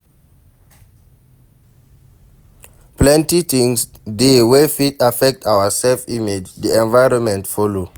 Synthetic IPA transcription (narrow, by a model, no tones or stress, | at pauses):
plɛ̃ntitʰĩŋsdewefitafɛk̚tʰawasɛlfimed͡ʒdiɛ̃nvajɹɔ̃nmɛ̃ntfɔlo